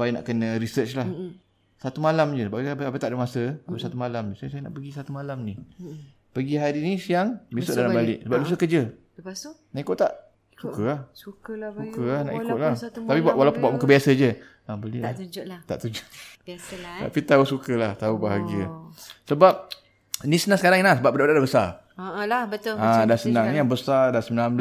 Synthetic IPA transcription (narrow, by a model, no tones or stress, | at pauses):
pajana̰ʔkənəɾisət͡ʃlah | sat̪umalamd͡ʒəəbaʔpəapət̪aʔdəmasəapəsat̪umalaməsasajana̰ʔpəɡisat̪umalamni | pəɡiɦaɾinisijaŋbisʊʔdalammbalɪʔsəbap̚dus̬əkəd͡ʒə | naʔikʊtʔt̪aʔ | sukəlahsukukəlahna̰ʔḭkʊt̪̚laht̪apibwalawpʊnbaʔmukəbiasəd͡ʒə | abəlilat̪a̰ʔt̪ud͡ʒoʔ | ta̰ʔpit̪ausukəlaht̪aubaɦaɡiəsəbap̚ | nĩsənãŋsəkaɾaŋinasəbap̚bədaʔdaʔdabəsa | labət̪adasənãŋnijabəsadasəmnam